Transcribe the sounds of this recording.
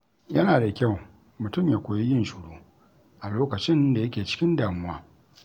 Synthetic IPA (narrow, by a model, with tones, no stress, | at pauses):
jɐ˦naː˨da˨kʲa˦˨w | mʊ˨tʊ˦mjaː˨kʷoː˨ji˦jɪ˦nʃuː˨ɽoː˦ | ʔa˨loː˦kɐ˨t͡ʃɪ˦nda˨jɐ˦kʲeː˨t͡ʃɪ̥˦kʲɪ˦ndaː˨mʊ˦waː˦